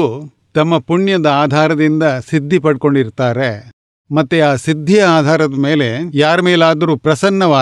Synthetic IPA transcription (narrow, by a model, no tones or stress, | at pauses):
u | t̪ɐmːɐpuɳjɐd̪ɐaːd̪ʱaːɾɐd̪ind̪ɐsid̪ʱːipɐɽko̞ɳɖiɾt̪aːɾe̞ | mɐt̪ːuaːsid̪ʱːijɐaːd̪ʱaːɾɐd̪ɐme̞ːle̞jaːɾɐmeːlaːd̪ɐɾuːpɾɐsɐnːɐʋaː